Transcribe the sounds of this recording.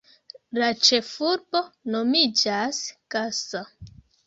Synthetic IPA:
lat͡ʃe̞fuɾbo̞no̞mid͡ʒaskasa

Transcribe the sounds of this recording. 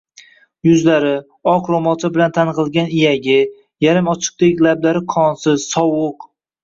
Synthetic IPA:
jʊzlaɾɪ | ɒqɾomɒt̪ɪbɪlant̪ʰanqɨlˠɡʲanɪjaɡʲɪ | jaɾɪmɒt͡ʃʰɨ̥q̚t̪ekʲlablaɾɪqʰɒnsɪz̥sɒwʊq

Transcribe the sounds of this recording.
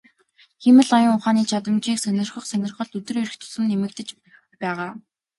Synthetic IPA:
xemɘ̆ɮɔjə̆ŋʊχaːniːt͡ɕʰat̪ə̆mt͡ɕiːksœnʲɪ̆rχə̆χsœnʲɪ̆rχə̆ɮɵt̪ɘ̆reɾɘ̆xt̪ʰʊ̥sɘ̆nːemɘ̆k̚t̪ɘ̆t͡ɕ | pæːʁaː

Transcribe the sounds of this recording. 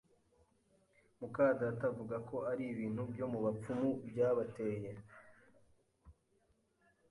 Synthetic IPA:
mukaːzatavuɡako̞aɾiβiːn̥hubjo̞muβap͡fumubjaːβateje

